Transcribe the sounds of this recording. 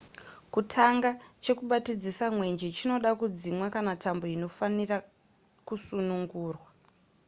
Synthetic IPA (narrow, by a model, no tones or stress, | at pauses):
kutʰaŋɡat͡ʃe̞kuɓatid͡zisamwe̞nd͡ʒet͡ʃino̞ɗakud͡zimwakanatʰambo̞ino̞fanira | kusunuŋɡuːrwa